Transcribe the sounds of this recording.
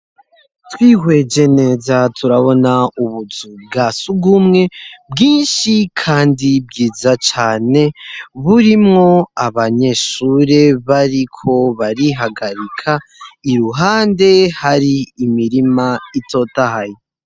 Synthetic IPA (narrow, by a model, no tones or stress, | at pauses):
twiːhwe̞d͡ʒe̞ne̞ːzatʰuɾaβo̞nauβuzub̚ɡasuɡumŋe̞bɡiːnʃikʰaːndibɡiːzat͡ʃaːne̞βuɾimŋo̞aβaɲe̞ʃuːɾe̞βaɾikʰo̞βaɾiɦaɡaɾikʰaiɾuɦaːnde̞haɾiːmiɾimaitʰo̞tahaje